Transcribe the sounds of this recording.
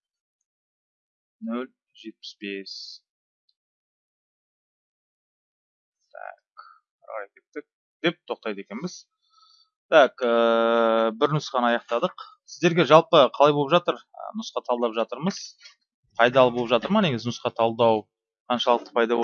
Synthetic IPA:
nɵl | ʒe̞t̪̚pɪ̥sbe̞s | t̪ʰæ̰k | ɑ̰ɾʁɑjkʲʰe̞t̪ːɪk̚ | d̪e̞p̚t̪ʰo̞q̚t̪ɑjt̪ekʲe̞nbɪz̥ | t̪ʰækə | bɪɾnʊsqɑnɑjɑqt̪ɑd̪əq | sɪzd̪e̞ɾɡʲe̞ʒɑlˠpəqʰɑlˠɑjbo̞lˠəpʒɑt̪əɾ | ə̰nʊsqɑt̪ʰɑlˠd̪ɑpʒɑt̪əɾməz̥ | qʰɑjd̪ɑlˠəbolˠpʒɑt̪əɾmɑne̞ɡʲɪzɪnʊsqɑt̪ʰɑlˠd̪ɑw | qʰɑnʃɑlˠəq̚t̪ə̥pʰɑjd̪ɑb

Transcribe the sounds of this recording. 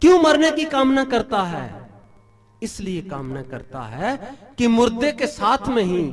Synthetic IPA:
kjõːmɐɾnekikaːmnɐkɐɾt̪aɦɛ̰ː | ɪsliekaːmnɐkɐ̰ɾt̪a̰ɦɛkimʊɾd̪ekesaːt̪ʰmẽɦĩː

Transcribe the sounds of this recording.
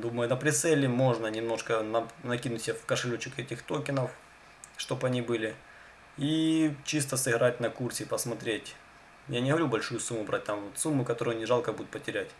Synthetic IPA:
d̪uməjʊnɐpɾʲɪt̪sɛlʲɪmo̞ʐnɐnʲɪmno̞ʂkənɐnɐkʲinʊtʲsʲafkəʂɨlʲut͡ɕɪkɛtʲɪxt̪okʲɪnəf | ʂt̪o̞pɐnʲibɨlʲɪ | it͡ɕist̪əsɨɣɾatʲnɐkursʲɪpɐsmɐt̪ɾʲetʲ | janʲɪɦəɐvɐɾʲubɐlʲʂujʊsumːʊbɾʔat̚ʲt̪amvot̪sumːʊkɐt̪o̞ɾʊjʊnʲɪʐɑlˠkəbud̪ʊt̪pətʲɪɾʲætʲ

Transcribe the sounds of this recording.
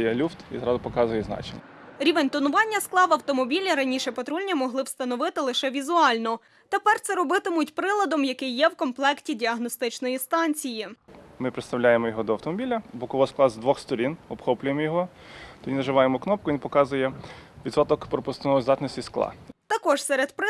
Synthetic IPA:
jɛlʲuft̪ḭzɾɑd̪ʊpɔkɑzʊjɛznɑ̰t͡ʃḛnʲːɾʲiʋenʲt̪ɔnʊʋɑnʲːɐsklˠɑʋɐwt̪ɔmɔbʲilʲiɾɐnʲiʃɛpɐt̪ɾulʲnʲimɔɦlˠɪwst̪ɐnɔʋɪt̪ɪlˠɪʃɛʋʲizʊɑlʲnɔ | t̪epɛrt̪sɛɾɔbɪt̪ɪmʊtʲpɾɪlˠɐd̪ɔmjɐkɪjːɛwkɔmplˠɛktʲidʲiɐɦnɔst̪ɪt͡ʃnɔjist̪ɑnʲt͡sʲijimɪpɾet̪st̪ɐwlʲajemɔjɔɦɔd̪ɔɐwt̪ɔmɔbʲilʲɐbɔkɔʋɔsklˠɑzd̪ʋɔxst̪ɔɾʲinɔbxɔplʲʊjemɔjɔɦɔ | t̪ɔdʲinɐʒɪʋɑjemɔknɔp̚kʊʋinpɔkɑzʊjɛʋʲid̪sɔt̪ɔkpɾɔpʊst̪nɔɔzd̪ɑt̪nʲɔsʲtʲisklˠɑ̰t̪ɐkɔʒsɛɾed̪p

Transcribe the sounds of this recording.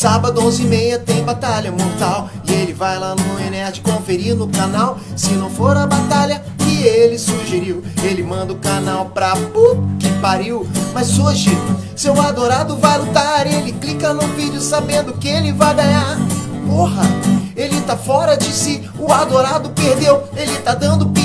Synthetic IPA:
sabɐd̪ʊõzimejɐt̪ẽj̃bat̪aʎɐmoɾt̪aw | ɪelɪvajlanʊ̃enɛɾd͡ʒɪkõfeɾiɾnʊkanaw | sɪnɐ̃w̃foɾɐbat̪aʎɐ | ɪelɪsuʒeɾiwelɪmɐ̃nd̪ɐʊkanawpɾɐbokɪpaɾiwmɐzoʒɪ | sɪʊad̪oɾad̪ʊvajlut̪aɾelɪklikɐnʊvid͡ʒʊsabẽnd̪ʊkɪelɪvajɡaɲaɾpoɦɐelɪt̪afɔɾɐd͡ʒɪsi | ʊad̪oɾad̪ʊpeɾd̪ewelɪt̪ad̪ɐ̃nd̪ʊpi

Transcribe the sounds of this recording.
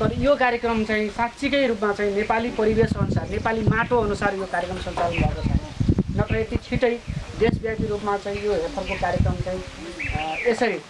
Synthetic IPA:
t̪ʌɾʌjokaɾjekrʌmt͡saĩsat̪t͡sʰikʌjɾupmat͡saĩnepalipʌɾibesʌnusarnepalimaʈoʌnusarjokaɾjekrʌmsʌnt͡sabulad̪asʰʌ̰nnʌt̪ʌet̪it͡sʰiʈʌjd̪esbjak̚t̪iɾupmat͡saĩjoɦerpʰʌrkokaɾjekrʌmt͡saĩ | esʌɾi

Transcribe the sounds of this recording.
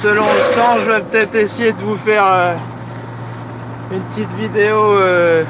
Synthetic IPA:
səlɔ̃lət̪ɑ̃ʒəvɛpət̪ɛt̪χesejed̪əvufɛʁø | ynpət̪it̪vid̪eoø

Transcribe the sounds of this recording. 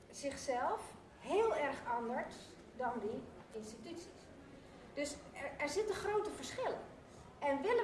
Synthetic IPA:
z̥ɪχsɛlˠf | ɦeːlˠɛrxɔndəɹs | dɔndi | ɪnstitysis | d̥øsɛɹzɪtəχrowtəfəɹsχɪlə̰ | ɛnʋɪlə

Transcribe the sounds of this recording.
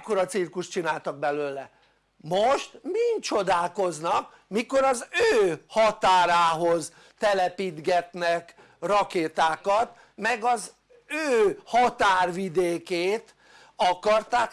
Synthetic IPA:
koɾɒt̪sirkuʃt̪t͡ʃinaːlt̪ɒɡ̚bɛløːlɛ | moʃt̪mint͡ʃo̞d̪aːlko̞znɒk | miko̞ɾɒzøːhɒt̪aːɾaːɦoz | t̪ɛlɛpid̪ɡɛt̪nɛk | rɒkeːt̪aːkɒt̪ | mɛɡɒz | øːhɒt̪aːrʋid̪eːkeːt̪ | ɒkɒrt̪aːk

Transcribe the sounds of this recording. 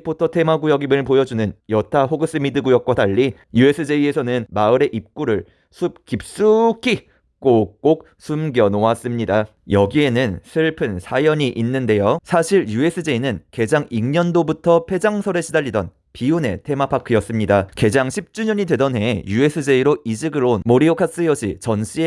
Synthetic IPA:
pʰotʰʌtʰe̞maɡujʌɡimɯɭpojʌd͡ʑunɯnjʌtʰaɦoɡɯs͈ɯmidɯɡujʌk̚k͈wadaʎːi | jue̞s͈ɯd͡ʑe̞ie̞sʰʌnɯnmaɯɾe̞ʔip̚k͈uɾɯɭ | sʰup̚kip̚s͈ukʰi | k͈ok͈ok̚ | sʰumɡjʌnowas͈ɯmɲida | jʌɡie̞nɯnsʰɯɭpʰɯnsʰajʌɲiʔinːɯnde̞josʰaɕʰiɭjue̞s͈ʰɯd͡ʑe̞inɯnke̞d͡ʑaŋiŋɲʌndobutʰʌpʰe̞d͡ʑaŋsʰʌɾeɕʰidaʎːidʌn | piune̞̰tʰe̞mapʰakʰɯjʌs͈ɯmɲidake̞d͡ʑaŋɕʰip̚t͡ɕ͈uɲʌɲidwe̞dʌnɦe̞jue̞s͈ʰɯd͡ʑe̞iɾoʔid͡ʑɯɡɯɾonmoɾiokʰas͈ʰɯjʌɕ͈ʰḭt͡ɕʌnɕ͈ʰie

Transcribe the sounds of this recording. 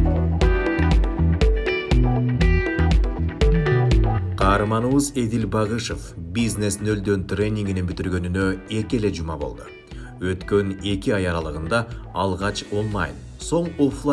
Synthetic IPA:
qʰɑːɾmɑnɯβɯze̞d̪ilbɑʁɯʃo̞fbizne̞snø̞ld̪ø̞nt̪rʲe̞nʲːiŋɡinenbyt̪yɾɡø̞nynø̞e̞ke̞le̞d͡ʒumɑbolˠd̪u | ø̞t̪kø̞ne̞kiɑjɑɾɑlˠɯʁɯnd̪ɑːlˠʁɑt͡ʃo̞nlˠɑ̰jn | so̞ɴoflˠa

